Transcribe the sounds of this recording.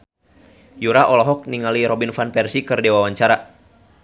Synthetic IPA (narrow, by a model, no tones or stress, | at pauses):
juɾaʔɔlɔɦɔk̚niŋaliɾɔbinfanpɛrsikɨrdɛwawaɲt͡ʃaɾa